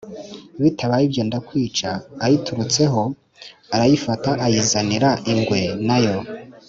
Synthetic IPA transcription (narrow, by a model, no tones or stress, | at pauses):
βitʰaβajibjeːndakwiːt͡ʃaːjituɾut͡se̞ɦo̞ | aɾajifataʔajizaniɾaʔiŋɡwe̞najo̞